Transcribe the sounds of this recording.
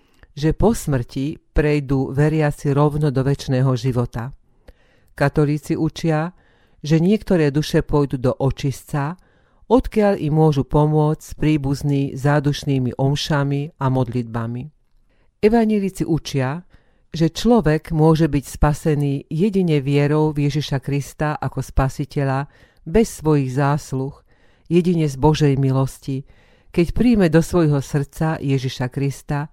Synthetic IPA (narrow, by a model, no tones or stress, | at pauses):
ʒɛpɔsmr̩cipɾɛjd̪uːʋɛɾɪat͡siɾɔʊnɔd̪ɔʋɛt͡ʃnɛːɦɔʒiʋɔt̪a | kat̪ɔliːt͡siʔut͡ʃɪa | ʒɛɲɪɛkt̪ɔɾɛːd̪uʃɛpʊɔjd̪uːd̪ɔʔɔt͡ʃist͡sa | ɔt̪kɪaʎimʊɔʒupɔmʊɔt͡sʲspɾiːbuzniːzaːd̪uʃniːmḭʔɔmʃamiamɔd̪lid̪̚bami | ɛʋaɲɛlit͡siʔut͡ʃɪa | ʒɛt͡ʃlɔʋɛɡmʊɔʒɛbicspasɛniːjɛɟiɲɛʋɪɛɾɔʊvjɛʒiʃakɾist̪aʔakɔspasicɛʎa | bɛsːʋɔjiɣzaːslux | jɛɟiɲɛzbɔʒɛjmilɔsci | kɛcpɾiːmɛd̪ɔsʋɔjɦɔsr̩t̪t͡sajɛʒiʃakɾist̪a